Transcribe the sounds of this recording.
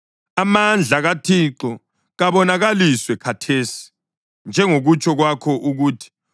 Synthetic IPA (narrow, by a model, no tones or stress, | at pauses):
amand͡ɮʱaɣatʰiǁɔ | ɣaβɔnaɣaliswɛkʰatʰeːsi̥ | nd͡ʒʱɛŋoɣut͡ʃʼʰɔɣwakʰɔʔuɣuːtʰi̥